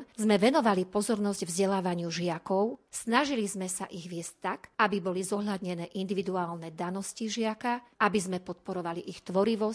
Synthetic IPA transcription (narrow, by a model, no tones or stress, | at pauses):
zmɛʋɛnɔʋalipɔzɔɾnɔzɟvzɟɛlaːʋaɲɪuʒɪakɔʊsnaʒilizmɛsaʔiɣʋɪɛsct̪ːakʔabibɔlizɔɦʎad̪ɲɛnɛːʔind̪iʋid̪uaːlnɛd̪anɔsciʒɪakaʔabizmɛpɔt̪̚pɔɾɔʋaliʔixt̪ʋɔɾiʋɔs